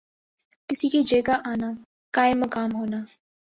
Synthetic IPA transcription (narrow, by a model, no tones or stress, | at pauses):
kɪsikid͡ʒeːɡaʔaːna | kaːɪmːɐkaːmɦoːnaː